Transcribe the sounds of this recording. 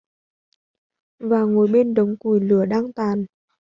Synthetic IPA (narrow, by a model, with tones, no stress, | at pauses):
vaː˨˩ŋo˨˩jɓe˧nɗə˨˦wŋ͡mku˧˩˨jlɨ˧˩əɗaː˧ŋt̪aː˨˩n